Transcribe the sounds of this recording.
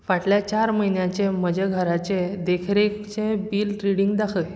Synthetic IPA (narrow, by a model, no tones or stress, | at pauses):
ʋaʈljat͡ɕaɾməɦinjat͡ɕeməd͡ʑeɡʱəɾat͡ɕẽd̪ekʰiɾekt͡ɕẽbiːlʈɾiɽiŋɡd̪akʰəj